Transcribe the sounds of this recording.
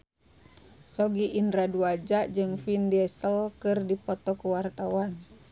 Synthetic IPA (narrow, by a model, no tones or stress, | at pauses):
sɔɡiʔːnɾaduad͡ʒaʔd͡ʒɨŋfindɛsəlkɨrdipɔt̪ɔkuwart̪awan